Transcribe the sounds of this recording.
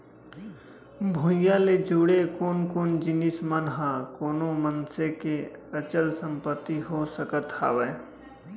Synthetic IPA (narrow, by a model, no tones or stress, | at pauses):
bʱojaled͡ʒuɽekoːnkoːnd͡ʒɪnɪsmənɦãkoːnõmənsekeət͡ʃəlsə̃mpət̪ːiɦosəkət̪a̰ːʋeː